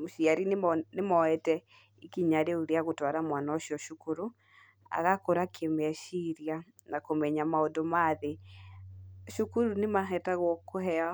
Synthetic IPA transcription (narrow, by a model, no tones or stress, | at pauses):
moʃiaɾinnemɔɛtɛ | ikiɲaɾeuɾeaɣotwaɾamwanaoʃiɔʃukuɾu | a̰ɣakoɾakʰemɛʃiɾia | nakomɛɲamaondomaðe | ʃukuɾunemaɦɛtaɣwɔkohɛa